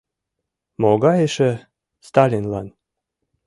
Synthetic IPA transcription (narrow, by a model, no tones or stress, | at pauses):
moɡɑjeʃĕ | st̪ɑlʲinlɑn